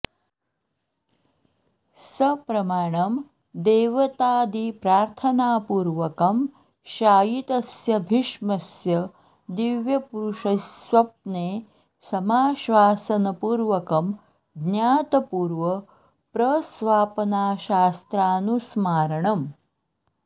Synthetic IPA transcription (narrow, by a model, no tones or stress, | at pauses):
sɐpɾɐmaːɳɐm | d̪eːʋɐt̪aːd̪ipɾaːɾt̪ʰɐnaːpuːɾʋɐkɐm | ʃaːjit̪ɐsjɐbʱiʃmɐsjɐ | d̪iʋjɐpuɾuʃɐsʋɐp̚neː | sɐmaːʃʋaːsɐnɐpuːɾʋɐkɐm | ɡ̪njaːt̪ɐpuːɾʋɐ | pɾɐsʋaːpɐnaːʃaːst̪ɾaːnusmaːɾɐɳɐm